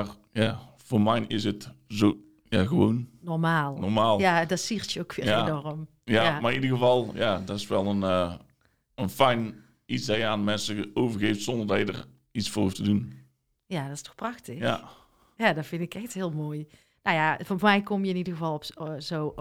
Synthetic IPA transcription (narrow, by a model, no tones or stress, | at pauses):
ar | jav̥oːmɛjnɪsətzo | jaɣəʋoːnnɔrmaːlˠnɔrmaːlˠjadɔtsirtjəowkʋɪːenɔrəm | jamaridəɣəvɑlˠjadɔtɪ̥sʋɛlˠən | ənfɛjn | isdajəaːnəmɛnsəowvərɣeːftsɔndərdɑjədə̰r | isfoːrhuftədun | jadɔtstɔ̥xprɑxtɪxja̰ | jadɔfɪndɪkɛxthɪːəlˠmoːj | nawjafɔnmɛjkomjəɪnidəɣəvɑlˠɔpzoː